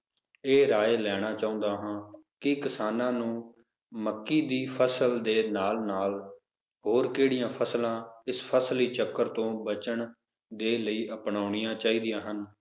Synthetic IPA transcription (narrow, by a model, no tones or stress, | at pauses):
eːɾaːeːlɛːɽ̃aːt͡ʃaːõːnd̪aːɦãːkɪkɪsaːnãːnũː | məkːiːd̪iːpʰəsəld̪eːnaːlnaːl | ɦoːɾkeːɽɪjãːpʰəslãːɪspʰəsliːt͡ʃəkːəɾt̪õːbət͡ʃəɳ | d̪eːləiːʔəpɳaːʊɳɪjãːt͡ʃaːiːd̪ɪjãːɦən